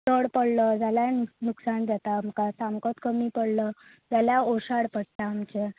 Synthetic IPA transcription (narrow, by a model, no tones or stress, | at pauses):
t̪əɽpəɽləd͡zaljannuksand͡zat̪am̤əkasamkɔt̪kəmiːpəɽlə | d͡zaljaoɕaɽpəɽ̚t̪aːmt͡ɕe